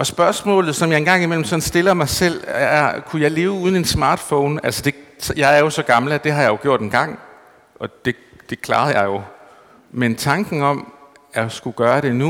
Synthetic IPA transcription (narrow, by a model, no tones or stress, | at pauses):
ɒ̽sb̥ɶɐsmɔ̰̽ːlð̩ˠsɒmjɑ̈ɪe̝nɡ̥ɑ̈ŋ̰imel̰m̩sɒ̽nsd̥e̝lɐmɑ̈ɪsel̰ækʰujɑ̈ɪle̝ːʊuð̞ˠn̩e̝nsmɑ̈ːd̥fɔʊnæl̰səd̥e̝sjɑ̈ɪæɐjo̝sɒ̽ɡ̥ɑ̈ml̩əæd̥e̝ɦɑ̈jɑ̈jo̝ɡ̥jo̝ɐ̰d̥enɡ̥ɑ̈ŋ̰ | ɒ̽d̥e̝ | d̥e̝kʰlɑ̈ːð̞̩ˠjɑ̈ɪjo̝ | ment͡sʰɑ̈ŋɡ̥ŋ̩ɒ̽mæsɡ̥uɡ̥ɶːɐɾ̥e̝nu